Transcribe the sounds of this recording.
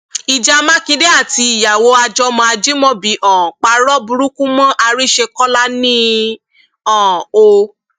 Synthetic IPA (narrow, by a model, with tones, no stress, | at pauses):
i˨d͡ʒa˧mã˦kĩ˧de˦a˦˨ti˧˦i˨ja˨wo˧˦a˧d͡ʒɔ˧mɔ̃˧a˧d͡ʒi˦mɔ̃˦bi˨˦ʔɔ̃˨k͡pa˧ɾɔ˦bu˧ɾu˦kũ˦mɔ̃˦ʔa˧ɾi˦ʃe˧kɔ˦la˦nĩ˦ | ɔ̃˦˨o˧